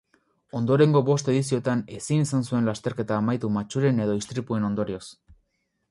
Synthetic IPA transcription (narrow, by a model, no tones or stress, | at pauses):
o̞nd̪o̞ɾe̞ŋɡo̞βo̞st̪e̞ðisio̞t̪ane̞sinisansue̞nlast̪e̞ɾke̞t̪aːmajt̪umat͡ʃuɾe̞ne̞ð̞o̞ist̪ɾipue̞no̞nd̪o̞ɾio̞s